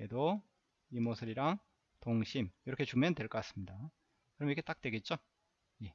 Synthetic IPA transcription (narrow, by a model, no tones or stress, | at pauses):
edo | imosʰɯɾiɾaŋ | toŋɕʰimjʌɾʌkʰe̞t͡ɕumjʌntwe̞ɭk͈ʌk͈as͈ɯmɲida | kɯɾʌmikʰe̞t͈ak̚t͈we̞ɡe̞t̚t͡ɕ͈o | je̞